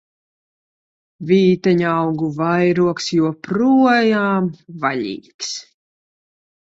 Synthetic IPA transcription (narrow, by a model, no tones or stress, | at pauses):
vʲiːt̪ɛɲawɡuvajɾuɔksjuɔpɾuɔjaːmvaʎʲḭːks